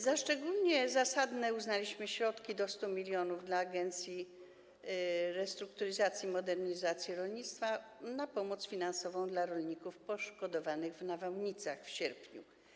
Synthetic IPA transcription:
zaʂt͡ʂɛɡulɲɛzasad̪nɛuznalʲiɕmɘɕɾɔt̪kʲid̪ɔst̪umʲilʲjɔnuvd̪laːɡɛnt̪sʲji | ɾɛst̪ɾukt̪uɾɘzat̪sʲjimɔd̪ɛɾɲizat̪sʲjiɾɔlɲit̪st̪fanapɔmɔt̪sfʲinansɔvɔ̃w̃d̪laɾɔlɲikufpɔʂkɔd̪ɔvanɘɣvnavawɲit̪saxfɕɛɾpɲṵ

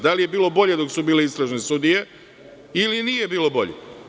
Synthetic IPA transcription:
d̪alije̞biːlˠo̞bo̞ʎed̪o̞ksubiːleist̪ɾaʒnesud̪ije̞ | iliniːje̞biːlˠo̞bo̞ʎḛ

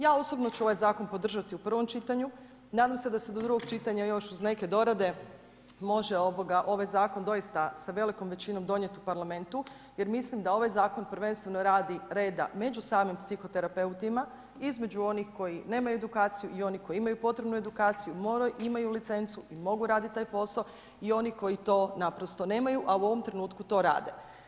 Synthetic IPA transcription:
jaːo̞so̞bno̞t͡ɕuo̞ʋajzaːko̞npo̞d̪r̩ʒat̪iupr̩ʋo̞mt͡ʃit̪aɲu | naːd̪amsed̪ased̪od̪ɾuɡo̞ɡt͡ʃit̪aɲajo̞ʃuzne̞ke̞d̪o̞ɾad̪e̞ | mo̞ʒe̞o̞bo̞ɡaʔo̞ʋajzaːko̞nd̪o̞jist̪asaʋe̞liko̞mʋe̞t͡ɕino̞md̪o̞ɲet̪upaɾlame̞nt̪u | je̞ɾmislimd̪ao̞ʋajzaːko̞npr̩ʋe̞nst̪ʋe̞no̞ɾaːd̪iɾe̞ːd̪a̰me̞d͡ʑusaːmimpsixo̞t̪e̞ɾape̞ut̪ima | izme̞d͡ʑuo̞nixko̞jine̞ːmajued̪ukaːt̪sijuʔio̞niko̞jiimajupo̞t̪ɾe̞bnue̞d̪ukaːt̪sijumoimajulit̪se̞nt̪suimo̞ɡuɾaːd̪it̪̚t̪aːjpo̞sao | io̞nixko̞jit̪o̞ːnapɾo̞st̪o̞ne̞ːmajuʔauo̞ʋo̞mt̪ɾe̞nuːt̪kut̪o̞ːɾa̰ːd̪e̞̰

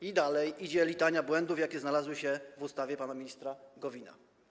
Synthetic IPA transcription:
id̪alɛjid͡ʑɛlʲit̪aɲabwɛnd̪ufjakʲɛznalazwɘɕɛvust̪avʲjɛpanamʲiɲist̪ɾaɡɔvʲina̰

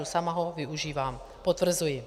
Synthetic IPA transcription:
usamaɦovɪuʒiːvam | pot̪vr̩zujɪ

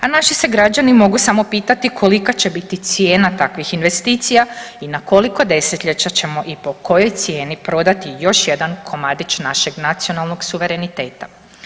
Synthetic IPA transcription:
anaʃise̞ɡɾad͡ʑanimo̞ɡusamo̞piːt̪at̪ikʰo̞likat͡ɕe̞bit̪it̪sje̞ːnat̪akʋixinʋe̞st̪iːt̪sijainako̞liko̞d̪e̞set̪ʎet͡ɕat͡ɕe̞mo̞ʔipo̞ko̞jo̞jt̪sije̞ːnipɾo̞d̪at̪ijo̞ʃje̞d̪ankʰo̞mad̪it͡ʃnaʃe̞ɡnat̪sio̞nalˠno̞ɡsuʋe̞ɾe̞nit̪e̞ːt̪a

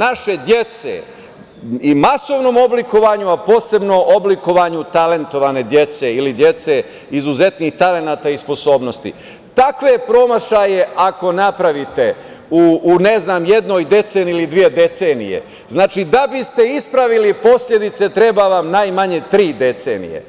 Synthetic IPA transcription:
naʃe̞d̪je̞t̪se̞̰ | imaso̞ʋno̞ːmo̞bliko̞ʋaɲuapo̞ːse̞bno̞ʔobliko̞ʋaɲut̪ale̞nt̪o̞ʋaːne̞d̪jet̪se̞ilid̪je̞t̪se̞ | izuze̞t̪nixt̪ale̞naːt̪aːispo̞so̞ːbno̞st̪ḭ | t̪akʋepɾo̞maʃaje̞ʔako̞napɾaʋit̪e̞ | uːneznaːmje̞d̪no̞ːjd̪e̞t̪seːniilid̪ʋije̞d̪e̞t̪seːnḭje̞̰ | znaːt͡ʃid̪abist̪e̞ispɾaʋilipo̞sʎʲe̞d̪it̪se̞t̪ɾe̞baʋamnajmaɲe̞t̪ɾiːd̪e̞t̪seːnḭje̞̰

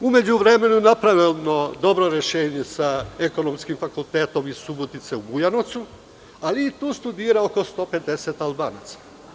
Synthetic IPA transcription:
ume̞d͡ʑuʋɾe̞me̞nunapɾaʋelno̞d̪o̞bɾo̞ɾe̞ʃeːɲe̞saeko̞no̞mskimfakult̪eːt̪o̞misubot̪it̪se̞ubujanot̪su | aliːt̪uːst̪ud̪iːɾaoko̞st̪o̞ːpe̞t̪e̞se̞t̪albaːnat̪sḁ

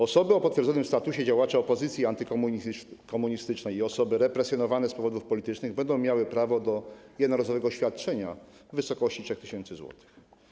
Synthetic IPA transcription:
ɔsɔbɘɔpɔt̪fʲjɛɾzɔnɘmst̪at̪uɕɛd͡ʑawat͡ʂɛɔpɔzɘt̪sʲjiant̪ɘk | kɔmuɲist̪ɘt͡ʂnɛjiɔsɔbɘɾɛpɾɛsʲjɔnɔvanɛspɔvɔd̪ufpɔlʲit̪ɘt͡ʂnɘɣbɛnd̪ɔ̃w̃mjawɘpɾavɔd̪ɔjɛd̪nɔɾazɔvɛɡɔɕfʲjat̪̚t͡ʂɛɲa̰ | vɘsɔkɔɕt͡ɕitʂɛxt̪ɘɕɛnt̪sɘzwɔ̰t̪ʰɘ̥x

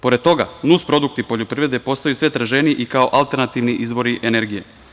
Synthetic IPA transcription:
po̞ɾe̞d̪̚t̪o̞ɡanuspɾo̞d̪uk̚t̪ipo̞ʎopɾivɾed̪epo̞st̪ajusʋet̪ɾaʒe̞niiʔikaoʔalˠt̪e̞ɾnat̪iʋniʔizʋo̞ɾiʔene̞ɾɡije̞̰

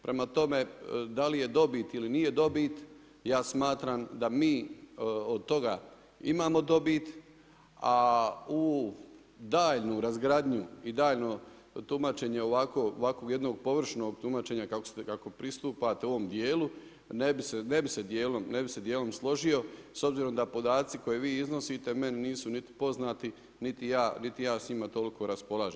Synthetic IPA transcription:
pɾe̞mat̪o̞me̞d̪alije̞d̪o̞biːt̪ilinije̞d̪o̞bit̪ | jaːsmaːt̪ɾaːmd̪amiː | od̪̚t̪o̞ɡa | imaːmo̞d̪o̞biːt̪ | au | d̪aːʎnuɾazɡɾad̪ɲuid̪aːʎno | t̪umat͡ʃe̞ɲe̞o̞ʋako̞ːo̰ʋakoɡje̞d̪noɡ̚po̞ʋr̩ʃno̞ːɡt̪umat͡ʃe̞ːɲakako̥sekako̞pɾist̪uːpat̪eoʋo̞md̪je̞ːlu | nebisenebised̪jeːlo̞mnebise̞d̪jeːlo̞mslˠo̞ʒijo̞so̞bziːɾo̞md̪apo̞d̪aːt̪siko̞jeʋiːizno̞siːt̪e̞me̞nniːsunit̪i̥po̞znaːt̪i | nit̪ijaːnit̪ijaːsɲimat̪o̞liko̞ɾaspo̞laːʒem

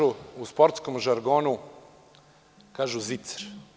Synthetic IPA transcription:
uuspoɾt̪skomʒaɾɡoːnu | kaːʒuzit̪sḁɾ

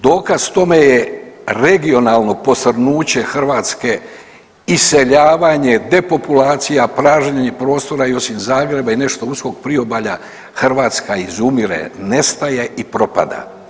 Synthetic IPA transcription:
d̪o̞ːkazt̪o̞me̞jeɾe̞ɡio̞naːlˠno̞po̞srnuːt͡ɕe̞xr̩ʋaːt̪ske̞ | ise̞ʎaːʋaɲe̞d̪e̞po̞pulaːt̪sijapɾaːʒɲaɲe̞pɾo̞ːst̪o̞ɾaio̞simzaːɡɾe̞baine̞ʃt̪o̞usko̞ɡpɾio̞baʎa | xrʋaːt̪skaizumiɾḛne̞st̪aje̞ʔipɾo̞pa̰d̪a̰

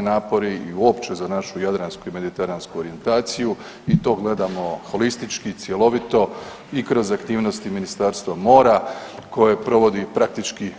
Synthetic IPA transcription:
inaːpo̞ɾiiuo̞pt͡ʃe̞zanaʃujad̪ɾanskuime̞d̪it̪eɾanskuoɾije̞nt̪aːt̪siju | it̪o̞ːɡle̞d̪amo̞xo̞list̪it͡ʃkit̪sje̞lo̞ʋit̪o̞ | ikɾo̞zakt̪iːʋno̞st̪iminist̪aːɾst̪ʋamo̞ːɾakʰo̞je̞pɾo̞ʋo̞d̪ipɾak̚t̪it͡ʃki

